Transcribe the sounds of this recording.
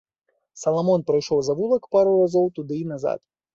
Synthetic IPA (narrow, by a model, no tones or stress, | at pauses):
sɐlˠamɔnpɾajʂɔwzavulˠɐkpaɾurazɔwt̪ud̪ɨnaza̰t̪